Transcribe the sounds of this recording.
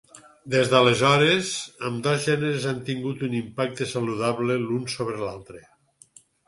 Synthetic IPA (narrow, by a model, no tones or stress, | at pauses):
d̪ezðəlezɔɾezəmd̪ozʒɛneɾezant̪iŋɡut̪unimpak̚t̪esaluðaβlelunsoβɾelalˠt̪ɾe